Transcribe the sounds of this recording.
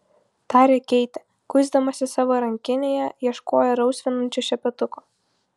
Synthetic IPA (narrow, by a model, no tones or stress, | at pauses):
t̪ɑːɾʲeːkʲɛɪt̪ʲɪ | kʊzd̪ɐmɐsʲɪsɑːʋoːɾɐŋʲkʲɪnʲeːjɛjiɛʃkoːjɛɾɐʊsʲʋʲɪnɐnʲt͡ʃʲuʃʲɛpʲɛt̪ʊkoː